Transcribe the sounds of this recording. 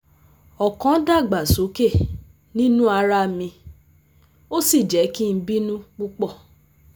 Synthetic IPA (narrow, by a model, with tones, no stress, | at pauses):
ɔ˨kɔ̃˨˦da˦˨ɡ͡ba˨so˨˦ke˦˨ | nĩ˦nũ˦a˧ɾa˦˨mĩ˧ | o˦si˦˨d͡ʒɛ˨˦ki˦n̩˦bi˦nũ˦k͡pu˦k͡pɔ˦˨